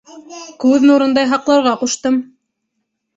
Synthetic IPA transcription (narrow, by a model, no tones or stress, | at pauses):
kʉðnuɾɤ̆nd̪ɑjɦɑqlˠɑwɾʁɑquʃt̪ɤm